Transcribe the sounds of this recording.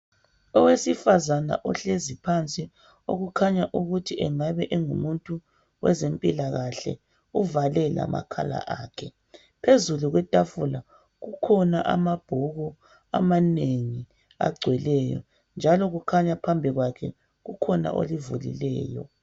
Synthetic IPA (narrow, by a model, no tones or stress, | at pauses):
ɔwesifazana̰ʔɔɬezipʰant͡sʼi | o̰ɣukʰaɲaʔuɣutʰiʔɛŋaβɛʔɛŋumuntʼu | wɛzempʼilaɣaɬɛ̰ | uvalɛla̰ma̰kʰala̰ʔaːkʰɛ | pʰezuluɣwɛtʼafula | ɣukʰɔnaʔamab̥ʱɔɣɔ | amaneŋi | a̰ɡ͡ǀʱwɛlɛjɔ̰ | nd͡ʒʱalɔɣukʰaɲapʰambʱiɣwakʰɛ̰ | ɣukʰɔna̰ʔo̰livulḭlɛ̰ːjɔ̰